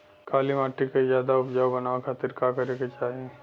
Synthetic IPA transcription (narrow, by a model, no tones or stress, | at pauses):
kaːlimaːʈːikezjaːd̪aʊpd͡ʒaːwbɐnaːʋakʰaːt̪ɪɾkaːkɐɾeːket͡ʃaːɦie